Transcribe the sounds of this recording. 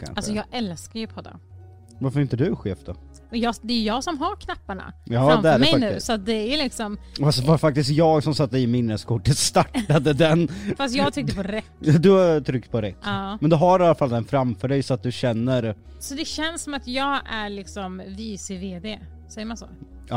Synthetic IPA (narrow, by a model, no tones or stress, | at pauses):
kʰa̰nalsɔjɑːɡɛlskaɾjɵpʰɔd̪ːa̰ | vaɾfœɾɪnt̪əd̪ɵɧḛːfd̪̥ɔ̰ | ɔjɑːd̪ɛːjɵjɑːɡsɔmɦaɾkʰnapːaɳa̰jɑfːamfɛœæɾɖɛmɛjfanʉ̟ːsɔat̪̚d̪ɛæjlɪksɔmfasvafak̚t̪ɪst̪jɑːɡsɔmsat̪ːəɪmɪnːəskʰʊʈːət̪st̪aʈːad̪əd̪ɛnfast̪jɑːɡt̪ʰʏk̚t̪əpʰɔɾɛt̪ːd̪ɵt̪ʰɾʏk̚t̪pʰɔɾɛt̪ːmɛnd̪ɵɦaɾalafald̪ɛnfɾamfœɖɛjsɔat̪̚d̪ɵɕɛnːəɾ | sɔd̪ɛɕɛnssɔmat̪jɑːɡæɾɭɪksɔmviːsɪveːd̪eː | sɛjːəɾmansɔ̰ː